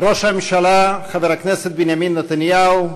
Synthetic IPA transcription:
ɾoʃamemʃalaχaveɾhakneset̪̚benjaminːat̪anjau

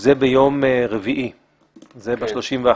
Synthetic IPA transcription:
zebejo̞mʁeviʔi | zebeʃlo̞ʃimvea

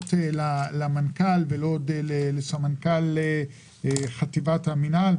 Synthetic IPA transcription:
t̪elalamankalvelodelelesamankalːe | χat̪ivat̪haminal

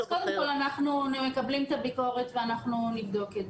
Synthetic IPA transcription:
z̥ko̞d̪emko̞lanaχnumekablimet̪abiko̞ʁe̞tveanaχnunivd̪o̞ked

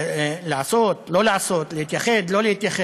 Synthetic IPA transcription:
laʕasot̪lo̞laaso̞t̪lehit̪jaχed̪lo̞lehit̪jaχe

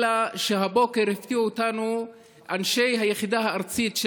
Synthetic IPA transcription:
laʃeɦabo̞ke̞ʁheft̪iuotanu | ʔanʃe̞jɦajeχid̪aɦaːʁt͡sitʃ

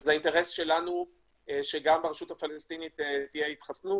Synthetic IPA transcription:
zainteʁesʃe̞lanu | eʃeɡambeʁeʃutafalest̪initetijeit̪χasnu

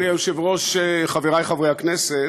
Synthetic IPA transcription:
iaʃevʁo̞ʃeχaveʁajχavʁejhaknese

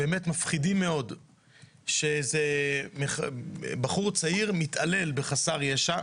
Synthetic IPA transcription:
beemetmafχidimːe̞o̞d | ʃezemeχbaχuʁt͡saiʁmit̪ale̞lbeχasaʁjaʃa

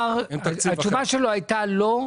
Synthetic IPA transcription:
ʁat͡ʃuvaʃeloajtalo

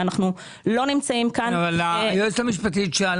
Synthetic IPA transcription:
anaχnu | lo̞nimt͡saimkanavalajost̪amiʃ̬pat̪̬it̪ʃeal

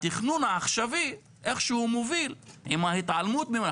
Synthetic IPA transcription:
t̪iχnunaːχʃavi | ʔeχʃehumovilʔimahit̪ʕalmut̪̚bi

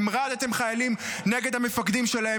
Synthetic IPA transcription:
mʁad̪at̪e̞mχajalimneɡe̞d̪amefakd̪imʃe̞lae

